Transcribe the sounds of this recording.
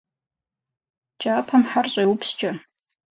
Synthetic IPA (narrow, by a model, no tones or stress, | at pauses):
t͡ʃʼaːpʰamħarɕʼajwupʰst͡ʃʼa